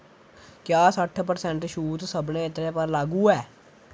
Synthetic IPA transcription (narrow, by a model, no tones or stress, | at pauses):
kjaːsəʈʰːpəɾsɛ̃ɳʈʃuːt̪səbnẽːɪt̪ɾeːpəɾlaːɡuːɛː